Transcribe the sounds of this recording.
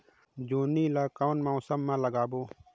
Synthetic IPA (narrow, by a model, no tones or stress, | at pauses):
d͡ʒuːniːlaːkawnmaːsəmːãləɡaːboː